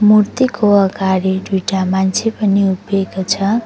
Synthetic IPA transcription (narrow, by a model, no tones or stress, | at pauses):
murt̪ikʰoʌɡaɾiɖuʈamant͡sʰepʌniubeɡt͡sʰʌ